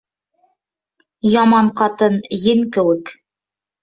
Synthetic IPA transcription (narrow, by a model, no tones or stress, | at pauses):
jɑmɑɴqɑt̪ɤnjɘŋkɘ̆wɘk